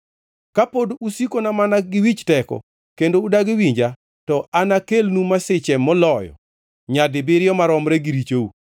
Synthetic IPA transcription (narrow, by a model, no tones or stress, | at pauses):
kapodusikonamanaɡɪwit͡ʃtɛkɔ̰ | kendoudaɡɪwiɲd͡ʒa | tɔʔanakelnumasɪt͡ʃɛmːɔlɔjɔ̰ | ɲadɪbɪɾɪjɔmaɾɔmɾɛɡiɾit͡ʃou